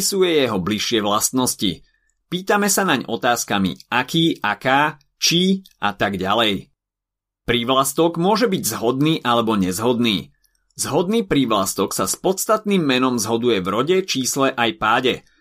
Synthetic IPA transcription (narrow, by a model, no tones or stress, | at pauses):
sujɛjɛɦɔbliʃːɪɛʋlast̪nɔscḭ | piːt̪amɛsanaɲɔ̰t̪aːskamḭʔakiːʔakaː | t͡ʃiʔa̰t̪aɡɟalɛj | pɾiʋlast̪ɔɡmʊɔʒɛbiɟzɦɔd̪niːʔalɛbɔɲɛzɦɔd̪niː | zɦɔd̪̚niːpɾiʋlast̪ɔksaspɔt̪st̪at̪niːmːɛnɔmzɦɔd̪ujɛvɾɔɟɛt͡ʃiːslɛʔajpaːɟɛ